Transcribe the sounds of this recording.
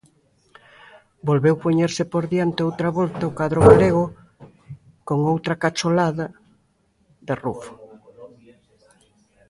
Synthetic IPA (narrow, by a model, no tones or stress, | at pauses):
bolβewpoɲeɾsɪpoɾðjant̪eowt̪ɾaβɔlt̪aokaðɾʊɣaleɣo | koŋowt̪ɾɐkat͡ʃolaðɐ | ðerufo̥